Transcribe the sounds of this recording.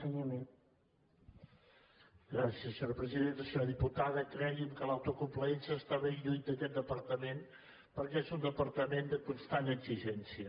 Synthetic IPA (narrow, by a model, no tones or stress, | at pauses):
ɲme | ɡɾasiəsːəɲɔɾpɾəziðent̪əsɲɔðiput̪aðəkɾɛɣiəmkəlawt̪ukumpləensəst̪aβeɲʎuj̪d̪əkɛt̪̚d̪əpəɾt̪əmen | pəɾkɛezund̪əpəɾt̪əmend̪əkunst̪anəɡziʒɛnsiə